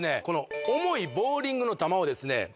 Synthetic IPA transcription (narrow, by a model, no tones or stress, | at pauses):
ne̞ko̞no̞omo̞ibo̞ːɾʲĩŋɡɯ̟no̞t̪amaod̪e̞sɨne̞̰